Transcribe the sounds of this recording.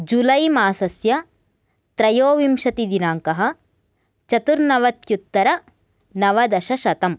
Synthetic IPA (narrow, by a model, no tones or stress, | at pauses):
d͡ʒulɐjmaːsɐsjɐ | t̪ɾɐjoːʋimʃɐt̪id̪inaːŋkɐɦɐ̆ | t͡ʃɐt̪uɾnɐʋɐt̪jut̪ːɐɾɐ | nɐʋɐd̪ɐʃɐʃɐt̪ɐm